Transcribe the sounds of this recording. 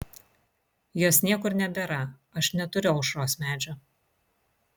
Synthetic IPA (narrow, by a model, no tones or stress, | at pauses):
joːsnʲiɛkʊɾnʲɛbʲɛːɾɐ | ɐʃnʲɛt̪ʊɾʲɛʊʃɾoːsmʲæːd͡ʒʲoː